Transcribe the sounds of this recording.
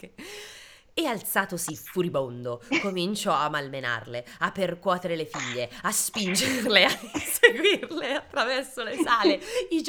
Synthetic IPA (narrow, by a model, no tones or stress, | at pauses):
ealt̪saːt̪osifuɾibond̪okomint͡ʃɔamːalmena̰rleapːerkwɔːt̪eɾelefiʎːeaspind͡ʒerleaseɡwirleat̪ːɾavɛrsolesaːleid͡ʒ